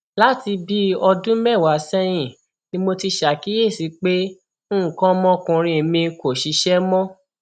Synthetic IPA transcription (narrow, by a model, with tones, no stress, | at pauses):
la˦ti˧bi˦ɔ˧dũ˦mɛ˦˨wa˨sɛ˦j̃ĩ˦˨ | nĩ˦mo˧ti˧ʃa˨ki˨˦e˦˨si˨˧˦k͡pe˦ | ũ˦˨kã˦mɔ̃˦kũ˧ɾ̃ĩ˧e˨mĩ˧ko˨ʃi˨˦ʃɛ˦mɔ̃˦